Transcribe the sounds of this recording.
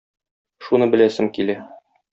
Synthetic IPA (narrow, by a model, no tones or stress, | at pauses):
ʃunɤbɘ̆læsɘŋkilæ